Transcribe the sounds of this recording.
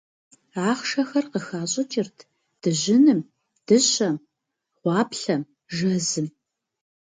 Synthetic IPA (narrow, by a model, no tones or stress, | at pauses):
aːχʃɐxɐrqəxaːɕʼɐt͡ʃʼɪrtʰ | d̥ɨʑɪnɨm | d̥ɨɕʼɐm | ʁʷɑːpɬɐm | ʒɐzɨm